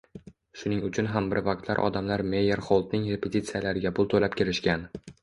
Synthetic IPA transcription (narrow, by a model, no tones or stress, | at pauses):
ʃʊnɪŋʊt͡ʃʰʊnɦambɪɾvaqt̪la̰ɾʔɒ̰d̪amlaɾme̞jeɾχolˠd̪̚nɪŋɾe̞pʰet̪it̪sijalaɾɪɡʲapʰʊlˠt̪ʰolap̚kʲʰeɾɪʃkʲan